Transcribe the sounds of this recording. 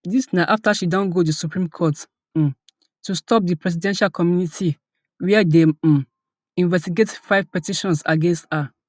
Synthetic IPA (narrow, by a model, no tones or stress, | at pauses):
disnaʔaftaʃidõnɡodisupɹĩmkʰɔt̩ | tustʰɔp̚dipɹɛs̬idɛ̃nʃalkɔmjunitʰi | wɛɛde | ĩnvɛstiɡetfaɪvpɛtiʃɔ̃nsa̰ɡẽnstha